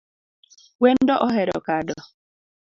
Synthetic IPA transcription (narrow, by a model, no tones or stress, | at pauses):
wɛndɔʔɔɦɛɾɔ̰kadɔ